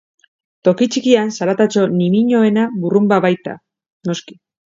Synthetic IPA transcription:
t̪o̞kit͡ʃikiansaɾat̪at͡ʃo̞nimiɲo̞e̞naβurumbaβajt̪a̰ | no̞ski̥

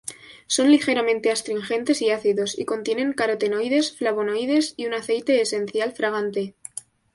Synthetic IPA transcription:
so̞nlixe̞ɾamẽ̞nt̪e̞ast̪ɾiŋxent̪e̞siaθiðo̞sḭko̞nt̪je̞ne̞ŋkaɾot̪e̞no̞jðe̞sflaβo̞no̞jðe̞siunaθe̞jt̪e̞ːse̞n̟θjalfɾaɣ̞ant̪e̞

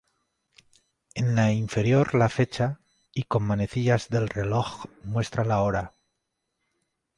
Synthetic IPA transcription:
e̞nlaiɱfe̞ɾjo̞ɾlafe̞t͡ʃa | iko̞mːane̞θiʎazðe̞lre̞loxmwe̞st̪ɾalaoɾa

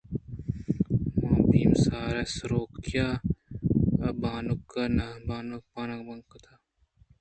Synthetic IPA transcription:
mãːbiːmsaːɾɐsɾoːkjaː | ɐbaːnukːɐnɐbaːnuk̚paːnɐkbɐŋkɐt̪ʰaː

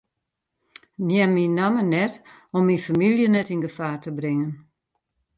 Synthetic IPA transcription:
njɛmːinːamənɛt | ɔmːinfamiljənɛtinɡəfaːrtəbrɪŋən

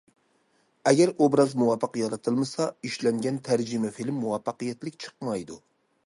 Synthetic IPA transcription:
ɛɡʲɛɾobɾɑzmuwɑpːəqjɑɾɑt̪ʰɨlˠmɨsɑiʃlɛŋɡʲɛnt̪ʰæɾd͡ʒimɛfilmːuwɑfːɑqɨjɛt̪lɪk̚ʲt͡ʃʰə̥qmɑjd̪u

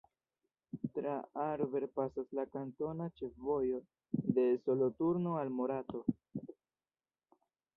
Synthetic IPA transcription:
tɾaaɾve̞ɾpasaslakanto̞nat͡ʃe̞fvo̞jo̞ | de̞so̞lo̞tuɾno̞almo̞ɾato̞

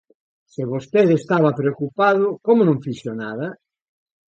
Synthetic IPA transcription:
seβost̪eðest̪aβɐpɾeokupaðʊkomonõɱfisonaðɐ

